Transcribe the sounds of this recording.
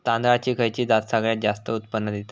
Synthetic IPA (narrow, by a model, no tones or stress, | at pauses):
t̪ãnd̪ɾat͡ɕiːkʰəjt͡ɕiːd̪at̪saɡɭjat̪̚d͡ʑast̪əut̪pənːəd̪et̪